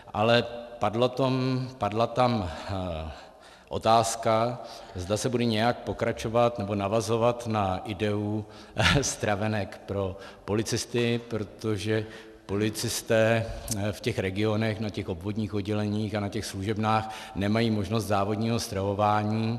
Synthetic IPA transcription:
ʔalɛpadlot̪ompadlat̪am | ʔo̞̰t̪aːskazdasɛbudɛɲɛjak̚po̞kɾat͡ʃo̞vat̪nɛbo̞navazo̞vat̪naʔɪdɛu | st̪ɾavɛnɛkpɾo̞ | po̞lɪt͡sɪst̪ɪpɾo̞t̪o̞ʒɛ | po̞lɪt͡sɪst̪ɛːfcɛxɾɛɡɪo̞nɛxnacɛxʔo̞bvo̞dɲiːxodɟɛlɛɲiːxanacɛxsluʒɛbnaːx | nɛmajiːmo̞ʒno̞st̪zaːvo̞dɲiːɦo̞st̪ɾavo̞vaːɲiː

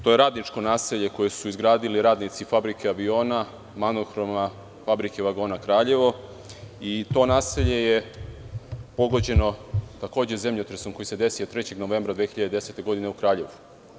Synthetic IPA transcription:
t̪o̞jeɾaːd̪nit͡ʃko̞naːseʎe̞ko̞je̞suizɡɾaːd̪iliɾaːd̪nit̪sifabɾikʰeaʋio̞ːna | manoxɾo̞ma | fabɾike̞ʋaɡo̞ːnakɾaːʎe̞ʋo̞ | it̪o̞ːnaːseʎe̞je | po̞ɡo̞d͡ʑe̞no̞t̪ako̞ːd͡ʑe̞ze̞mʎet̪ɾesomkojise̞d̪e̞sijot̪ɾe̞t͡ɕe̞ɡno̞ʋe̞ːmbɾad̪ʋexiʎad̪ed̪ese̞t̪e̞ɡo̞d̪ine̞ukɾaːʎe̞ʋu

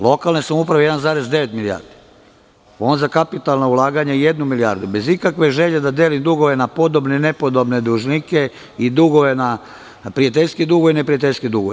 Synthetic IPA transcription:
lˠo̞kalˠnesamupɾaʋejeanzaːɾe̞zd̪e̞ʋe̞t̪milija̰ːɾd̪i̥ | o̞ːnzakapit̪alˠnoulˠaːɡaɲejed̪numilija̰ːɾd̪ube̞zikakʋe̞ʒe̞ʎe̞d̪ad̪e̞ːlimd̪uɡoʋe̞napo̞d̪obnene̞po̞d̪o̞bne̞d̪uʒnike | id̪uɡoʋena | pɾijat̪̬eʎʲskid̪uɡoinepɾijat̪eʎʲskid̪uɡoe

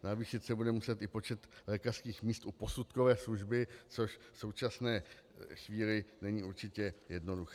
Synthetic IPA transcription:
naviːʃɪt̪sɛbudɛmusɛt̪ʔɪpo̞t͡ʃɛt̪lɛːkar̥skiːxmiːst̪ʔupo̞sut̪kovɛːsluʒbɪt͡so̞ʃso̞wt͡ʃasnɛː | xviːlɪnɛɲiːʔuɾt͡ʃɪcɛjɛdno̞duxɛ̥ː

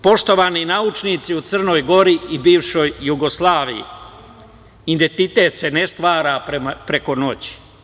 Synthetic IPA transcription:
po̞ʃt̪o̞ʋaːninaut͡ʃnit̪siut̪sər̩no̞ːjɡo̞ɾiibiːʋʃo̞jːuɡo̞slˠaːʋijḭ | id̪ent̪it̪e̞ːt̪se̞nest̪ʋaːɾaɾemapɾeko̞no̞t͡ɕi̥

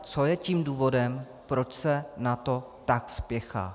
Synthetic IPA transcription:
t͡so̞jɛciːmduːvo̞dɛm | pɾo̞t͡ʃsɛnat̪o̞ | t̪akspjɛxa̰ː

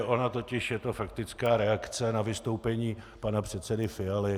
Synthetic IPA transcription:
ʔo̞nat̪o̞cɪʃjɛt̪o̞fakt̪ɪt͡skaːɾɛakt͡sɛnavɪst̪o̞wpɛɲiː | panapr̝̥ɛt̪sɛdɪfɪalɪ

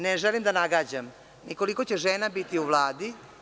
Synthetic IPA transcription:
neʒelimd̪anaɡaːd͡ʑam | nikoliko̞t͡ɕeʒeːnabit̪iuʋlˠaːd̪i

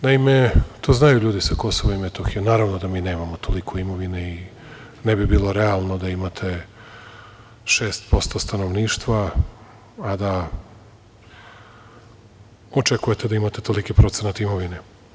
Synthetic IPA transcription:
naime̞t̪ʰoːznajuʎuːd̪isako̞soʋoimet̪oxijonaːɾaʋnod̪amiːne̞ːmamo̞t̪ʰo̞likʰo̞imo̞ʋinei | nebibiːlˠo̞ɾealˠno̞d̪aimat̪ʰe̞ | ʃeːst̪̚po̞st̪o̞st̪anoʋniːʃt̪ʋaː | d̪a | ot͡ʃekuje̞t̪e̞d̪aimat̪et̪o̞likipɾo̞t̪senat̪aimo̞ʋine̞

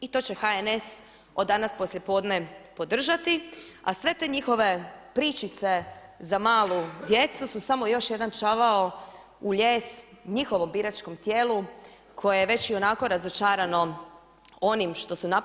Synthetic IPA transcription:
it̪o̞ːt͡ɕe̞xaenes | o̞d̪ːanaspo̞slje̞po̞ːd̪ne̞po̞d̪r̩ʒat̪iasʋe̞t̪e̞ɲixo̞ʋe̞pɾiːt͡ʃit̪se̞zamaːlˠud̪je̞t̪sususamo̞jo̞ʃje̞d̪ant͡ʃaʋao | uʎeːsɲixo̞ʋo̞mbiɾat͡ʃko̞mt̪jeːlˠu | kʰo̞jejeʋe̞t͡ɕio̞nako̞ɾazot͡ʃaːɾano̞ | o̞nimʃt̪o̞suna

